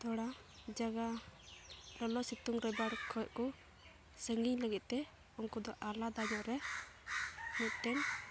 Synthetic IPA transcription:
t̪ɔɽa | d͡ʒaɡa | lɔlɔsit̪uŋɾɛbaɽkʰɔɛʔkɔ | səŋɡiɲləɡit̪̚ˀt̪ɛ | unkud̪ɔʔalad̪ad͡ʒɔɾɛ | mut̪̚ʈɛn

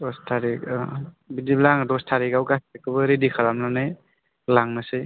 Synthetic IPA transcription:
dɔstʰaɾi | bidiblaŋdɔstʰaɾiɡawɡasakɯbɯɾidikʰaɾamnɔnɯj | laŋnasɯj

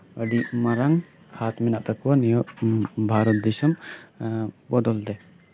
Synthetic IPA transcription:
əɖimaɾaŋ | hʰat̪minaʔt̪akuwanijɔʔbʱaɾɔt̪̚d̪ɛsɔm | bɔd̪ɔld̪ɛ

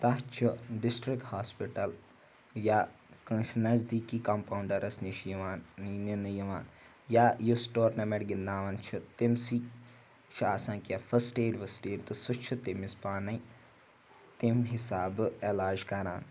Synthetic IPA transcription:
t̪aːt͡ʃʰuɖɪsʈɾɪkʈhaːspɪʈɐl | jaː | kɐʃnɐzd̪iːkiːkɐmpaːuɳɖɐɾɐsniʃjʋaːnninjɐʋaːn | jaːjusʈoːɾnɐmeʈɡɪnd̪ãːʋɐnt͡ʃʰut̪ɪmsiː | ʃʰaːsãːkjafʰɐsʈeːɖʋɐsʈeːɖt̪ɨsʊt͡ʃʰut̪ɪmɪspaːnɐi | t̪ɪmɦɪsaːbɛːlaːɾd͡ʒkɐɾa̰ːn

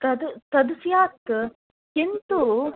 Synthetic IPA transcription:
t̪ɐd̪ut̪ɐd̪usjaːk̚t̪ | kint̪u

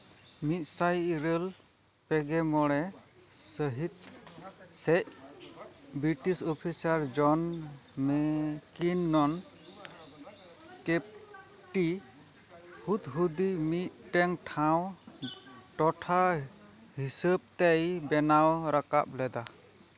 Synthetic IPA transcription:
mit̪̚ˀsajɾəl | pɛɡɛmɔɽɛsəɦit̪̚ | sɛc̚ | bɾiʈisɔpʰisaɾd͡ʒɔnmɛkinːɔn | kep̚ | ʈi | hut̪ɦud̪imit̪̚ʈɛŋʈʰaw | ʈɔʈʰa | hisəb̚t̪ɛjbɛnawɾaka̰p̚lɛd̪a

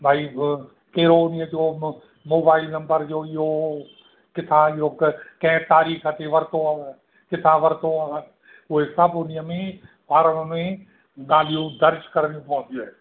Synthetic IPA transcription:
bʱaːi | keːɾonɪjãd͡ʒoː | moːbaːɪlnə̃mbəɾd͡ʒoːjoː | kɪt̪ʰãjoːkkɛ̃t̪aːɾiːkʰat̪eʋəɾt̪õa | kɪt̪ʰãːʋəɾt̪õ | oesəbonɪjãmẽ | paːɾəɽẽ | ɡaːlijõd̪əɾd͡ʒkəɾniũpɔ̃ːt͡ʃoɛː

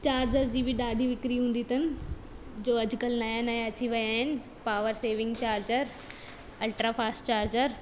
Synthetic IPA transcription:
t͡ɕaːɾd͡ʑəɾd͡ʑiːbɪɗaːɖʱiʋɪkɾiɦũːnd̪it̪ʰɐnɪ̆d͡ʑoːɐd͡ʑʊkəlnaːjnãɐt͡ɕiʋɐjaːɦɪnɪ̆ | paːʋəɾseːʋɪ̃ŋɡt͡ɕaːɾd͡ʑəɾ | ɐlʈɾafaːsʈt͡ɕaːɾd͡ʑəɾ

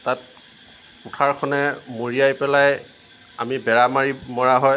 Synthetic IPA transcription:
tat̚ | kutʰaɹkʰɔnɛmoɹijajpɛlaj | a̰mibɛɹamaɹimɔɹaɦɔj

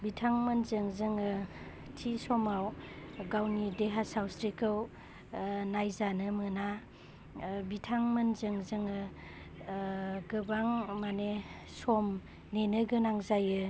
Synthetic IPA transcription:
bitʰaŋmɯnzɯŋzɯŋɯ | tʰisɔmawɡawnideɦasawsɾikʰɯw | najzanɯmɯna | bitʰaŋmɯnzɯŋzɯŋɯ | ɡɯbaŋmane | sɔm | nenɯɡɯnaŋzajɯ

